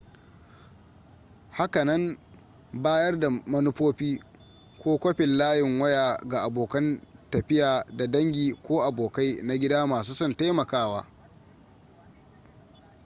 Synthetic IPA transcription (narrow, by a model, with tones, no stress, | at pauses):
ha˦kɐ˨nɐ˦m | baː˦jɐ˦rda˨mɐ˦nʊ˦ɸoː˦ɸiː˦ | kʷoː˦kʷɐ˦ɸɪ˨nlaː˦jɪ˨ŋwɐ˦jaː˨ɡa˨ʔa˨boː˨kɐ˦ntɐ˨ɸɪ˦jaː˨da˨dɐ˦ŋɡʲiː˨kʷoː˦ʔa˨boː˨ka˦jna˦ɡʲɪ˦daː˦maː˨s̬uː˦sɔ˦˨nta˦jmɐ˨kaː˦waː˦